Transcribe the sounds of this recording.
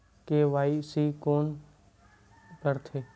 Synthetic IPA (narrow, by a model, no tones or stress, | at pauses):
keʋaːisikoːn | kəɾt̪ʰeː